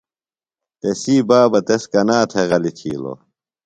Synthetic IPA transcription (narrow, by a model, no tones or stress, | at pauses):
t̪esiːbaːbɐt̪eskɐnaːt̪ʰeɣɐlit̪ʰḭːlo̰